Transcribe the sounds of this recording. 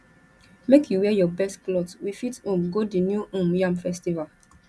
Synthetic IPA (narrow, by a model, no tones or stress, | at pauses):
mekjuwɛjɔbɛstklɔtwifitũmɡodinjuʔũmjãmfɛstival